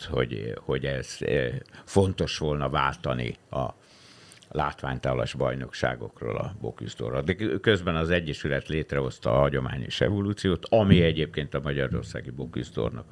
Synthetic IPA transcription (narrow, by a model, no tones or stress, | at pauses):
ho̞̰ɟho̞ɟɛz̥ | fo̞nt̪o̞ʃʋo̞lnɒvaːlt̪ɒnḭɒ | laːt̪ʋaːɲt̪aːlɒʒbɒjno̞kʃa̰ːɡo̞̰kro̰ːlɒ̰bo̞̰kyst̪o̰rɒd̪ɛkøzbɛnɒzɛɟːɛʃylɛt̪leːt̪rɛo̞st̪ɒːɦɒɟoma̰ːɲo̰ʃɛ̰voluːt̪sijoːt̪ɒmiɛɟeːp̚keːnt̪ɒmɒɟɒɾo̞rsaːɡibo̞kysd̪o̰rnɒ̰k